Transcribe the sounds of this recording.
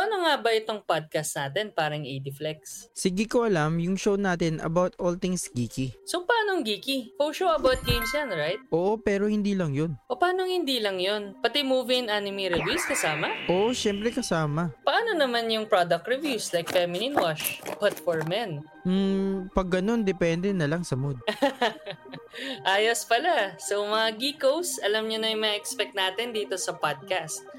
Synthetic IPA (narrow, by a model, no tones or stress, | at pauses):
ʔɐnoŋabɐʔɪt̪oŋpad̪̚kɐst̪̚naːt̪ɛnpaːɾɐŋʔid̪ɪflɛkssɪɡɪkoʔɐlamjʊŋʃownaːt̪ɛnʔɐ̰bawt̪olt̪ɪŋsɡiːkisopɐaːnoŋɡiːkifolʃowɐbawt̪̚ɡejmsjanɹajt̪̚ʔo̞ːʔo̞pɛːɾo̞hɪnd̪iːlɐŋjo̞nʔopɐaːnoŋhɪnd̪iːlɐŋjonpɐt̪ɛmuːvɪɪnanɪmiɾɪvuskɐsaːmɐʔoʔoʃɛmpɾɛkɐsaːmɐpɐʔaːno̞nɐmanjʊŋpɹad̪ɐk̚t̪ɹɪvjuslajk̚fɛmɪninwaʃpat̪foɹmɛn | m̩pɐɡːɐno̞nd̪ɛpɛnd̪ɛnɐlaŋsɐmod̪̚ | ʔaːjospɐlasomɐŋaɡiːkowsʔɐlɐmɲʊnɐjmɐʔɛkspɛk̚t̪naːt̪ɛnd̪iːt̪o̞sɐpad̪̚kast̪̚